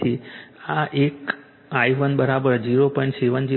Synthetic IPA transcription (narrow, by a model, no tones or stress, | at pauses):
iaʔek | ajʋənbəɾabəɾd͡ʒiɾopə̃ɳsiʋənd͡ʒi